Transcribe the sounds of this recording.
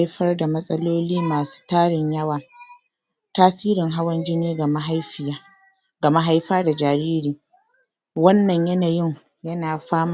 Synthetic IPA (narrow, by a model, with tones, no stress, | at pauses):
jɸɐ˦rda˨mɐ˦sʼɐ˦loː˦liː˦maː˨su̥˦taː˦ɽɪ˨ɲjɐ˦waː˨ | taː˦siː˦ɾɪ˨ŋɦa˦wɐ˦nd͡ʒɪ˦neː˦ɡma˦ɦa˦ɸɪ˨a˦ | ɡɐ˨ma˦ɦa˦jɸaː˦da˨d͡ʒaː˨ɾiː˦ɾiː˨ | wɐ˦nːɐ˨ɲjɐ˦naː˨jɪ˦˨ŋ | jɐ˦naː˨ɸaː˦m˨